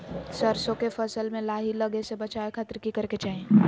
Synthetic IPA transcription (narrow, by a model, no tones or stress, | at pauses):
səɾsõkefʰɐsəlmẽlaːɦiləɡesebɐt͡ʃaːekʰat̪ɾkikɐɾket͡ʃaːɦẽ